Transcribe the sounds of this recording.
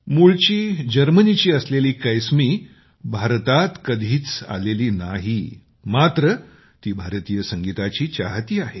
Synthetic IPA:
muɭt͡ɕiːd͡ʑəɾmənit͡ɕiːəsleliːkəjsmiː | bʱaɾt̪at̪kəd̪ʱiːt͡sa̰leliːnaɦi | mat̪ɾə | t̪iːbʱaɾt̪ijəsəŋɡit̪at͡ɕiːt͡ɕa̰ɦt̪iːaɦe

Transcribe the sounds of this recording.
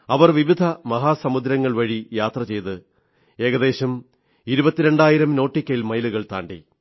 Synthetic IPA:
ɐʋɐrʋiʋid̪ʱɐmɐɦaːsɐmud̪ɾɐŋːɐɭʋɐɻijaːt̪rɐt͡ɕe̞jt̪ɨ | e̞ːɣɐðe̞ːɕɐm | iɾubɐt̪ːiɾe̞ɳɖaːjiɾɐmno̞ːʈːikʲːɐjilmɐjluɣɐɭt̪a̰ːɳɖḭ

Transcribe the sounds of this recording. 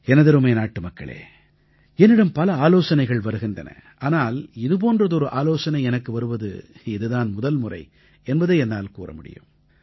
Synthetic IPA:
ɛnɐðɐɾɯmeːnaːʈːɯmɐkːɐ̰ɭḛː | ɛnːɪɽɐmpɐlɐaːloːsɐnɐɪɣɐɭʋɐɾɯɣɪndrɐ̰nɐ̰ʔaːnaːlɪðɯp̬oːndrɐðɯɔɾɯʔaːloːsɐnɐɪɛnɐkːɯʋɐɾɯʋɐðɯ̰ɪðɯðaːnmʊðɐlmʊrɐ̰ɪ | ɛnbɐðeːɛnːaːlkuːrɐ̰mʊɽɪ̰jɯ̰m

